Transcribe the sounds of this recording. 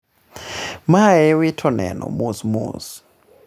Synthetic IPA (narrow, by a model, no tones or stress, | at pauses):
maɛwɪtʰɔnɛ̰nɔ̰musmṵs